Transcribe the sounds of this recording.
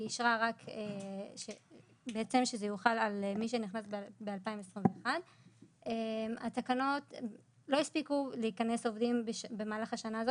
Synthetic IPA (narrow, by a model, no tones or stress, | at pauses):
iʃʁaʁakeʃe | beet͡se̞mʃezejuχalalmiʃ̬e̞niχnasbbealpaimesʁimveeχad | ema̰takano̞t | lo̞ispikuleikane̞so̞vdimbeʃbe̞maːlaχaʃanaːzo